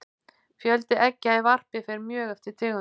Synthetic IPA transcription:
fjœlt̪ɪʔɛcːɪaivar̥pɪfɪɾɪɾmjœːɣɛft̪ɪ̥t̪ʰɪːɣ

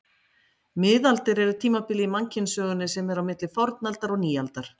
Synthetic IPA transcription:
mɪðalt̪ɪɾɛɾʏt̪ʰiːmapɪlːɪimaɲcɪnsœːɣʏnːɪsɛmɛɾawmɪt̪lɪfɔɾt̪nalt̪aɾɔɣniːalt̪aɾ̥

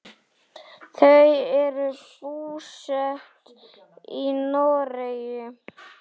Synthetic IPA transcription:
θœɥɛɾʏpuːsœht̪ | inoːɾejʏ

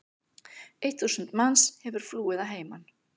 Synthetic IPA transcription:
ejht̪θuwsənt̪manshɛvʏɾ̥fluːɪðaɦeːjman

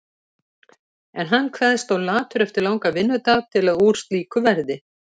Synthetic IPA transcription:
ɛnɦanːkʰvɛːðst̪awlaːt̪ʏɾɛft̪ɪɾlawŋkavɪnːʏt̪aɣt̪ʰɪlaðuɾ̥st̪liːkʏvɛɾðɪ

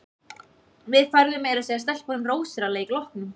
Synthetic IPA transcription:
vɪðfajɾðʏmːeːjɾasɛðast̪ɛl̥kɔɾɪnroːwsɪɾaleːklɔhknʏm

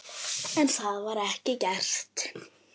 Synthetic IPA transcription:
ɛnɬaːðvaɾɛhcɪcɛr̥t̪

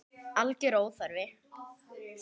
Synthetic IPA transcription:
alcɪɾoːwθaɾvɪ

